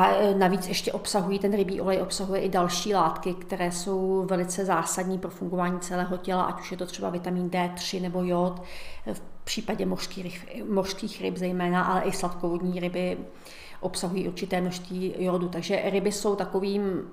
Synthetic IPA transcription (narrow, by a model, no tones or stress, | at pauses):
ʔanaviːt͡sɛʃcɛʔo̞psaɦujiːt̪ɛnɾɪbiːʔo̞lɛjʔo̞psaɦujɛʔɪdalʃiːlaːt̪kɪkt̪ɛɾɛːso̞wvɛlɪt͡sɛzaːsadɲiːpɾo̞fuŋɡovaːɲiːt͡sɛlɛːɦo̞cɛlaʔacu̥ʃjɛt̪ot̪r̥ɛba̰vɪt̪amiːndɛːt̪r̝̥ɪnɛbo̞jot̪fpr̝̥iːpaɟɛmoʃskiɾɪ | moʃskiːxɾɪbzɛjmɛːnaʔalɛʔɪslat̪kovodɲiːɾɪbɪ | ʔopsaɦujiːʔuɾt͡ʃɪt̪ɛːmnoʃst̪viːjoːdut̪aɡʒɛɾɪbɪso̞wt̪ako̞viːm